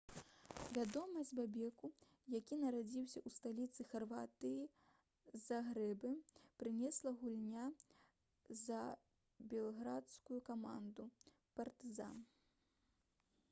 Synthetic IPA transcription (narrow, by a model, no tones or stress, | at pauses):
vʲad̪ɔmɐzʲbabʲɛku | jakʲinɐɾad͡zʲiwsʲɐʔust̪alʲit̪sɨxarvat̪ɨji | zɐɣɾɛbɨpɾɨnʲɛslˠɐɣulʲnʲa | zɐ | bʲɛlˠɣɾat̪skujukama̰nd̪u | pɐrt̪ɨza̰n